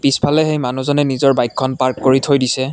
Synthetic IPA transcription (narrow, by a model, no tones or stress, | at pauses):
pispʰalɛxejmanuzɔnɛnizɔɹbajkʰːɔnpaɹkːoɹitʰojdisɛ